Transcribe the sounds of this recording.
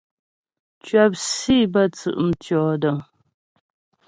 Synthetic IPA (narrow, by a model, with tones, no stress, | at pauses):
t͡ʃɥə˦p̚si˦˨bə˦˨t͡sɨ̰˨ʔm̩˨tjɔː˨˦də˨ŋ